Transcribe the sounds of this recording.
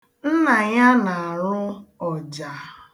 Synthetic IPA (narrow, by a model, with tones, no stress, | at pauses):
n̩˦na˨ɲa˦na˨a˨ɾʊ˦ɔ˨d͡ʒa˨